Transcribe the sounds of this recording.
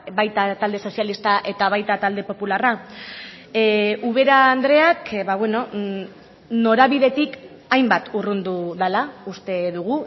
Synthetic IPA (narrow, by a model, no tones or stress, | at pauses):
bajt̪at̪ald̪e̞so̞sjalist̪aʔe̞t̪aβ̞ajt̪at̪ald̪e̞po̞pulara | uβ̞e̞ɾaːnd̪ɾe̞akβaβwe̞no̞ | no̞ɾaβiðe̞t̪ik | ajmbat̪urund̪uðalaust̪e̞ðuɣ̞u